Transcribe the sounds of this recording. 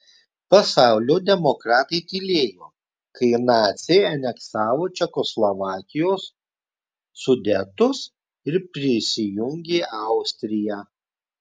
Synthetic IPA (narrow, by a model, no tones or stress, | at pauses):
pɐsɑˑʊlʲoːd̪ʲɛmɔkɾɑːt̪ɐɪt̪ʲɪlʲeːjoː | kɐɪnɑːt̪sʲɛɪɐnʲɛksɑːʋoːt͡ʃʲɛkɔslˠɔʋɑːkʲɪjoːs | ʊd̪ʲɛt̪ʊs | ɪɾpʲɾʲɪsʲɪjʊŋʲɡʲeːʔɑˑʊsʲt̪ʲɾʲɪjæː